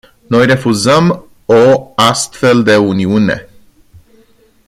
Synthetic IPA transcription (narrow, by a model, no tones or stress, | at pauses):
no̞jre̞fuzəm | o̞ast̪fe̞ld̪e̞uniune̞̰